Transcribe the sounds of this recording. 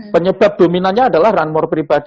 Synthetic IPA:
pəɲəb̥ap̚d̥ominanɲaːdalahranmɔrpɾibad̥i

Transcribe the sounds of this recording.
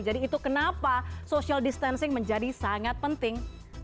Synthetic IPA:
d͡ʒadiːt̪ukənapasosialdist̪ansɪŋməɲd͡ʒadisaŋat̪̚pənt̪ɪŋ

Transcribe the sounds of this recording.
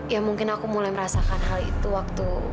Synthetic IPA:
jamuŋkɪnakumulajməɾasakanɦalḭt̪uwak̚t̪u

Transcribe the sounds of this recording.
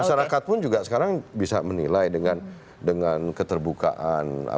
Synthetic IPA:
aʃaɾakat̪̚pʊnd͡ʒuɡasə̥kaɾaŋbisamənilajdəŋan | dəŋankət̪ərbuka̰ʔana̰

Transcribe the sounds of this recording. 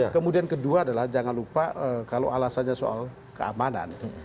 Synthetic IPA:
kəmudiankəduaːdalahd͡ʒaŋanlupaəkalowʔalasanɲaso̰a̰l | kəa̰mana̰n

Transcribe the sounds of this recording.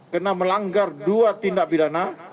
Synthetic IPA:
kənaməlaŋɡarduat̪indaʔ̚bidana

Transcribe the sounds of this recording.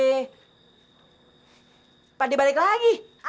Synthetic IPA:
padibalɪklaɡi

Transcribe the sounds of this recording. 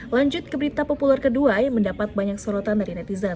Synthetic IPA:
laɲd͡ʒʊt̪̚kəbəɾit̪apopularkəduajməndapat̪̚baɲaksɔɾɔt̪andaɾinɛt̪izan

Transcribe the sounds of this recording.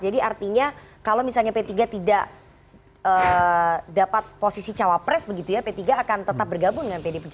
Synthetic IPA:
d͡ʒadiart̪iɲakalomisalɲapet̪iɡat̪idaʔ | ə | dapat̪̚posisit͡ʃawapɾɛsbəɡit̪ujapet̪iɡaːkant̪ət̪ap̚bərɡabʊŋndəŋanpedepəd͡ʒ

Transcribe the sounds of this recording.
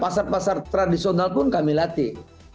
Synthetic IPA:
pasarpasart̪ɾadisiɔnalpʊnkamilat̪i

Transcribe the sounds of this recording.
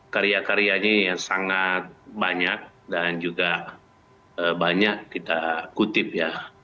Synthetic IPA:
kaɾiakaɾiaɲajasaŋat̪̚baɲak̚ | dand͡ʒuɡa | əbaɲakːit̪akut̪ɪp̚ja

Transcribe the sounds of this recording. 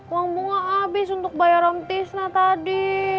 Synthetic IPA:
waŋbuŋaabɪsunt̪ʊk̚bajaɾɔmt̪ɪsnaht̪adi

